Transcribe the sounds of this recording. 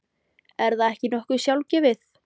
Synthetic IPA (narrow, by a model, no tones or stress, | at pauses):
ɛɾðaðɛhcɪnɔhkʏɾ̥sjawlcɪvɪθ